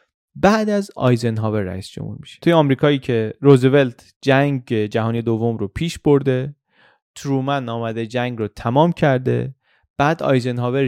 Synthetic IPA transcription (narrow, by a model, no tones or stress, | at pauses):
bæːd̪æzɒ̰ːjzenɦɒːveɾːæ̰iːsd͡ʒo̰mhṵɾmi̥ʃe̥t̪ʰujeɒːmɾiːkʰɒːiːcʰe̞ɾozeve̞lt̪ʰ | d͡ʒæŋɡed͡ʒæɦɒːnije̞d̪ovːo̞mɾopʰiːʃbo̞ɾd̪e̞ | t̪ʰɾuːmænɒːmæd̪e̞d͡ʒæŋɡɾɔt̪ʰæmɒːmcʰæɾd̪e̞̰ | b̥æːd̪ɒ̰ːjzenɦɒːve